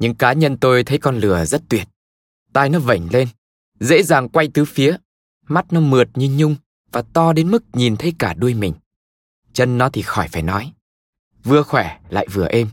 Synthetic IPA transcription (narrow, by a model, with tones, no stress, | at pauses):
ɲɨ̰˧˥ŋkaː˨˦ɲə˧nt̪o˧jt̪ʰə˨˦jkɔ˧nlɨ˨˩əzə˦˥t̚t̪wi˨˩ət̚ | t̪aː˧jnɔ˨˦və˧˩ŋ̟le˧n | zḛ˧˥zaː˨˩ŋkwa˧jt̪ɨ˨˦fi˨˦ə | ma˦˥t̚nɔ˨˦mɨ˨˩ət̚ɲɨ˧ɲʊ˧ŋ͡m | vaː˨˩t̪ɔ˧ɗe˨˦nmɨ˦˥k̚ɲi˨˩nt̪ʰə˨˦jkaː˧˩ɗu˧əjmï˨˩ŋ̟ | t͡ɕə˧nːɔ˨˦t̪ʰi˨˩xɔ˧˩jfaː˧˩jnɔ˨˦j | vɨ˧˩əxwɛ˧˩la̰ː˧˨jvɨ˨˩əʔe˧m